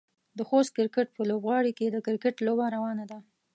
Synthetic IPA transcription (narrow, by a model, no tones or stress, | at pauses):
d̪əxost̪̚kɪɾkɪʈ̚pəlobɣɑɽiked̪əkɪɾkɪʈlobaɾawɑnad̪a